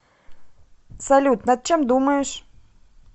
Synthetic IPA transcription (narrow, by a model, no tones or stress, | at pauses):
sɐlʲut̪nad̪̚t͡ɕemd̪uməjʊʂ